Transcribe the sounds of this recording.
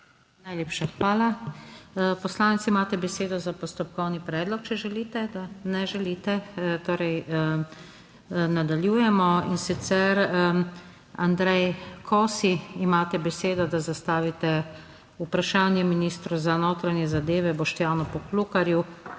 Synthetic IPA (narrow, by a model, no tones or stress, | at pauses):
najleːpʃaxʋaːla | pɔslaːnit̪siimaːt̪ɛbɛseːd̪ɔzapɔst̪ɔp̚kɔwnipɾɛːd̪lɔk̚t͡ʃɛʒɛliːt̪ɛd̪anɛʒɛliːt̪ɛt̪oːɾɛj | nad̪aljuːjɛmɔinsit̪sɛɾ | and̪ɾɛjkʰɔsiimaːt̪ɛbɛseːd̪ɔd̪azast̪aːʋit̪ɛ | upɾaʃaːnjɛminiːst̪ɾuzanoːt̪ɾanjɛzad̪eːʋɛbɔʃt̪jaːnɔpɔklukaɾju